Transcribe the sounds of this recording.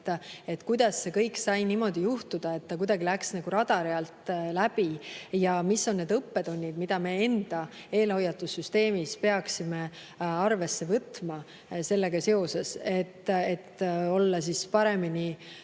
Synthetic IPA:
t̪ːe̞t̪ːkujd̪̥ɑsːe̞kɤjksɑjnimo̞d̪̥ijuht̪ud̪̥ɑe̞t̪ːɑk̬ujd̪ɑɡilæksnɑɡ̥uɾɑd̪̥ɑɾeɑlt̪læb̥ijɑmisːo̞nnːe̞d̪ɤpːe̞d̪̥o̞nʲːid̪mid̪̥ɑme̞e̞nd̪̥ɑ | e̞ːlho̞jːɑt̪ːˑusːyst̪e̞ːmispe̞ɑksime̞ | ɑrve̞sːe̞vɤt̪mɑ | se̞lːe̞ɡ̥ɑse̞o̞se̞se̞t̪ːet̪ːo̞lːɑsispɑɾe̞mini

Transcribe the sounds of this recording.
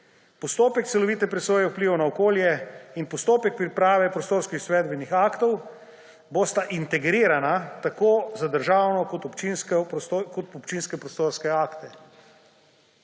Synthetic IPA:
pɔst̪oːpɛk̚t̪sɛlɔʋiːt̪ɛpɾɛsʋoːjɛwpliːʋonaɔkoːljɛinpɔst̪oːpɛk̚pɾipɾaːʋɛpɾɔst̪oːɾskixsʋɛːd̪bɛnixaːkt̪ɔw | boːst̪aʔint̪ɛɡɾiːɾanat̪akoːzad̪əɾʒaːwnɔkɔt̪ɔpt͡ʃinskkɔt̪ɔpt͡ʃinskɛpɾɔst̪oːɾskɛaːkt̪ɛ

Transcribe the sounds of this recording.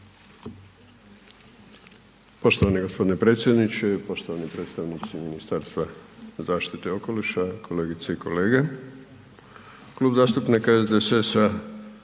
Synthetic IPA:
po̞ʃt̪o̞ʋanieɡo̞spo̞d̪ine̞pɾe̞ːt̪sje̞d̪nit͡ʃepo̞ʃt̪oʋanipɾet̪st̪aʋnit̪siminist̪aːɾst̪ʋazaːʃt̪it̪eo̞ko̞liʃakʰo̞le̞ːɡit̪seiko̞le̞ːɡe | kluːbzaːst̪upnikaezd̪esesa

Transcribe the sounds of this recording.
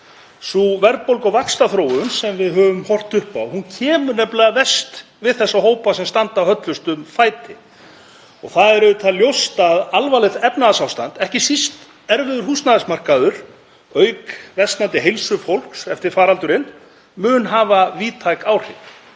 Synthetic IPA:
suvɛɾt̪̚powlkɔwvakst̪aθɾoːwʏnsɛmvɪðɦœvʏmhɔr̥t̪ʏhpawhuncʰɛːmʏɾnɛplɪavɛst̪ | vɪðθɛsːaɦoːwpasɛmst̪ant̪awhœt̪lʏst̪ʏmfaːjt̪ɪ | ɔ̰ɣθaðɛɾʏt̪ʰaljowst̪aðalvalɪθɛpnaðasawst̪ant̪ɛhcɪsist̪ | ɛɾvɪðʏɾ̥ɦust̪naðasmar̥kaðʏɾ | œɥkvɛst̪nant̪ɪɦejlsʏfowl̥ksɛft̪ɪɾ̥faːɾalt̪ʏɾɪn | mʏːnɦaːvaviːt̪ʰajkaːwr̥ɪt

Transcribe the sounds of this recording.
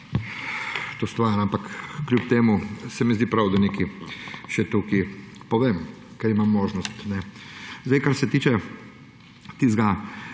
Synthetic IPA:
t̪ost̪ʋaɾampakːlʲjupt̪eːmusɛmɛzd̪iːpɾawd̪anekiʃɛt̪uki | pɔʋeːm | kɛɾimamːoːʒnɔst̪nɛzd̪aɪjkaɾsɛt̪iːt͡ʃɛ | t̪izɡa

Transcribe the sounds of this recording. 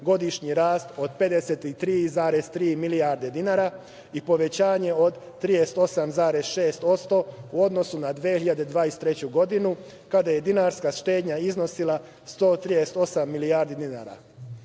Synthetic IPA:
ɡo̞d̪iʃɲiɾaːst̪o̞d̪pe̞d̪eset̪it̪ɾiːzaːɾe̞z̥t̪ɾiːmilijaɾd̪e̞d̪inaːɾa | ipo̞ʋe̞t͡ɕaːɲe̞o̞d̪ːɾijest̪o̞samzaːɾezʃe̞ːst̪o̞t̪st̪o̞uo̞d̪no̞sunad̪ʋeːçiʎad̪ed̪ʋaːjest̪ːɾe̞t͡ɕuɡo̞d̪inu | kad̪aje̞d̪inaɾskaʃt̪e̞ːd̪ɲaizno̞silˠa | st̪o̞ːt̪ɾijest̪o̞samːilijaːɾd̪id̪inaːɾa̰

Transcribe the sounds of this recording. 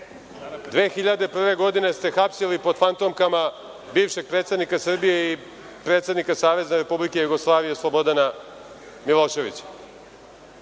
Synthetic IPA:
d̪ʋe̞ːxiʎad̪e̞pr̩ʋe̞ɡo̞d̪ine̞st̪e̞xapsilipo̞d̪fant̪o̞mkama | biːvʃe̞ɡ̚pɾet̪sed̪nikasr̩bije̞i | pɾet̪sed̪nikasaːʋe̞znaɾe̞publikejuɡoslˠaːʋijeslˠo̞bod̪ana | milˠo̞ːʃe̞ʋḭt͡ɕḁ

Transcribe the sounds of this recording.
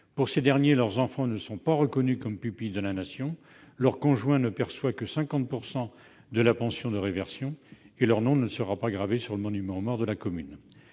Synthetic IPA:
puʁsed̪ɛʁnjelœʁzɑ̃fɑ̃nəsɔ̃paʁəkɔnykɔmpypid̪əlanasjɔ̃ | lœʁkɔ̃ʒwɛ̃nəpɛʁswakəsɛ̃kɑ̃t̪̚puʁsɑ̃ | d̪əlapɑ̃sjɔ̃d̪əʁevɛʁsjɔ̃ | elœʁnɔ̃nəsəʁapaɡʁavesyʁləmɔnymɑ̃mɔʁd̪əlakɔmyn

